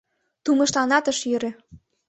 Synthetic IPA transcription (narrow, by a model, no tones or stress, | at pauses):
t̪umɤ̆ʃlɑnɑt̪əʃjøɾĕ